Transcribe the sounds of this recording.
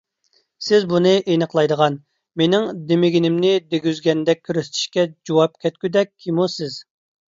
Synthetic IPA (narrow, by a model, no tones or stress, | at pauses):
sɪzbunɨʔenəqlˠɑjd̪əʁɑn | menɪŋd̪emɪɡʲinɪmnɪd̪eɡʲyzɡʲɛnd̪ɛk̚ʲʰːyɾyst̪ʰi̥ʃkʲɛd͡ʒowɑp̚kʲʰɛt̪̚kʲyd̪ɛk̚ʲʰːimusɪz̥